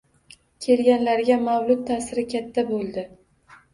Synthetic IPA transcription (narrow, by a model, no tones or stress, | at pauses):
kʲʰe̞lɡʲanlaɾɡʲamawlˠʊt̪̚t̪ʰasɪɾɪkʲʰat̪ʰːabolˠd̪ɪ